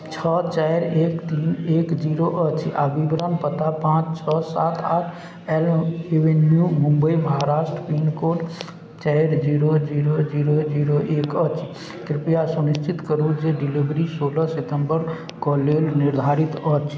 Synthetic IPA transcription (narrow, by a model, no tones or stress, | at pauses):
t͡ʃʰət͡ʃaɪɾeːkt̪inekd͡ʒiɾoʔət͡ʃʰabibɾənpət̪apãt͡ʃt͡ʃʰəsaːt̪ʰaʈʰ | eleʋenjumũmbəiməɦaɾaːsʈɾəpiːnkoːʈ | t͡ʃaɪɾd͡ʒiɾod͡ʒiːɾod͡ʒiːɾod͡ʒiɾoʔeːkət͡ʃʰ | kɾipjasunist͡ʃʰit̪kəɾud͡ʒeɖilibɾisoːləsɪt̪əmbəɾ | kɔlelniɾd̪ʱaːɾit̪ət͡ʃʰ